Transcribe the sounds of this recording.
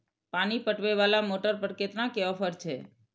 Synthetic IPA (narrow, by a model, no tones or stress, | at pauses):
pañipəʈʋeʋalamoʈəɾpəɾket̪nãkeɔfəɾt͡ʃʰe